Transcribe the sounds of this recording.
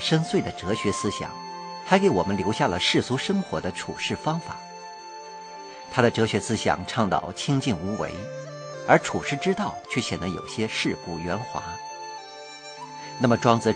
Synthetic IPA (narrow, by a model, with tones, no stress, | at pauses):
ʂə˥nswe˥˩ɪd̪ə˩ʈ͡ʂɤ˧˥ɕɥɛ˧˥sɹ̩˥ɕjɑ̰˨˩˦ŋ | ta˧˥ɪke˧˥ɪwɔ̰˨˩mə˦nljo˧˥ʊɕja˥˩lə̰˩ʂɻ̩˥˩su˧˥ʂə˥ŋxwɔ˧˥d̪ə˧ʈ͡ʂʰṵ˨˩ʂɻ̩˥˩fɑ˥ŋfa˨˩˦ | t̪ʰa˥d̪ə˨˩ʈ͡ʂɤ˧˥ɕɥɛ˧˥sɹ̩˥ɕjɑ̰˨˩ŋʈ͡ʂʰɑ˥˧ŋt̪ɑ̰˥˩ʊt͡ɕʰi˥ŋt͡ɕi˥˩nu˧˥wḛ˧˥ɪ | ə˞˧˥ʈ͡ʂʰu˨˩ʂɻ̩˥˩ʈ͡ʂɻ̩˥t̪ɑ˥˩ʊt͡ɕʰɥɛ˥˩ɕjɛ˨˩nə˧˥ŋjo˨˩ʊɕjɛ˥ʂɻ̩˥˩ku˨˩ɥɛ˧˥nxwa̰˧˥ | na˥˩mə˩ʈ͡ʂwɑ˥ŋt͡sɹ̩˥˧˩